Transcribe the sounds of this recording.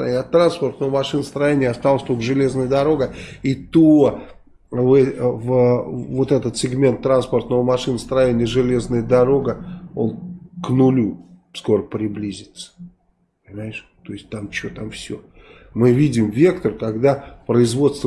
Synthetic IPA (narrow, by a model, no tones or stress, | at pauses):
nʲɐt̪ːɾanspərt̪nəvmɐʂɨnəst̪ɾɐjenʲɪjəɐst̪alˠəsʲt̪okʐɨlʲe̞znəjəd̪ɐɾo̞ɡəit̪o | vɛvəvo̞t̪ɛt̪ət̪sʲɪɡmʲe̞nt̪ːɾanspərt̪nəvəmɐʂɨnst̪ɾɐjenʲɪjəʐɨlʲe̞znəjəd̪ɐɾo̞ɡəo̞̰nknʊlʲu | sko̞ɾəpɾʲɪblʲizʲɪt̪sə̥ | pənʲɪmajɪʂ | t̪oɪsʲt̚ʲt̪amt͡ɕot̪amfsʲo̞̰ | mɨvʲidʲɪmvʲe̞kt̪ərkaɡd̪apɾəɪzvo̞t̪st̪v